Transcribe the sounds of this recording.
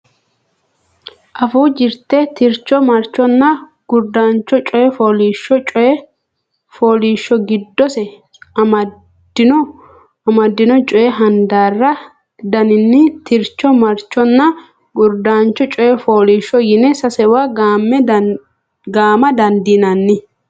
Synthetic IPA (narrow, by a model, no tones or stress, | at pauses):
ʔɐfuːd͡ʒɪɾt̪ɛt̪ɪɾt͡ʃːɔmɐɾt͡ʃːɔnːɐ | ɡ̥ʊɾd̪aːnt͡ʃːɔt͡ʃʼɔjɛfoːliːʃːɔt͡ʃʼɔjɛ | foːliːʃːɔɡɪd̪ːɔsɛ | mɐ | dɪnɔ | ɐmɐd̪ːɪnɔt͡ʃʼɔjɛɦɐnd̪aːrːɐ | d̪ɐnɪnːɪt̪ɪɾt͡ʃːɔmɐɾt͡ʃːɔnːɐ | ɡʊɾd̪aːnt͡ʃːɔt͡ʃʼɔjɛfoːliːʃːɔjɪnɛsɐsɛwaːɡaːmːɛ | ɡaːmɐd̪ɐnd̪iːnɐnːɪ